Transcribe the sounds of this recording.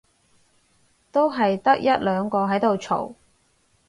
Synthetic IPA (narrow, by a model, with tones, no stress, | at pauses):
t̪o˥wɦɐ˨jt̪ɐ˥k̚jɐ˥t̚lœː˨˧ŋkɔː˧ɦɐ˨˥jt̪o˨wt͡ʃʰo̰˨˩w